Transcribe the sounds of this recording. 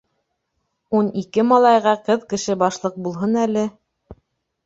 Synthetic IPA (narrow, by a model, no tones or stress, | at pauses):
unikɘmɑlˠɑjʁɑqɤðkɘ̆ʃɘbɑʃlˠɤq̚bulˠɦɤnælɘ